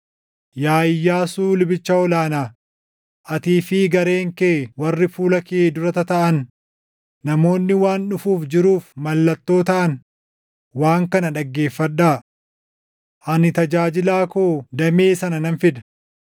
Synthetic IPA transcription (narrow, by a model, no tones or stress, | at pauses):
jaːjːaːsuːlʊbɪt͡ʃːɐɔlaːnaː | ʔɐt̪iːfɪɡɐɾe̞ːŋkeːwɐrːɪfuːlɐkeːd̪ʊɾɐt̪ɐt̪ɐʔɐnː | ɐmo̞ːnːɪwaːnᶑʊfuːfd͡ʒɪɾuːfmɐlːɐt̪ːo̞ːt̪ɐʔɐn | waːŋkɐnɐᶑɐɡːe̞ːfːɐᶑaː | ʔɐnɪt̪ɐd͡ʒaːd͡ʒɪlaːkoːd̪ɐme̞ːsɐnɐnɐnfɪd̪ɐ̥